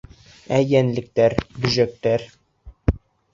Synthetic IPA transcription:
æjænlɘ̆k̚t̪æɾbɵ̆ʑæk̚t̪æɾ

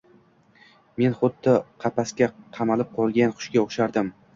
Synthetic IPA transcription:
me̞nχʊd̪ːɪqʰɑpaskʲaqʰɑmalɪp̚qʰɒlˠɡʲanχʊ̥ʃkʲaoχʃaɾd̪ɪm

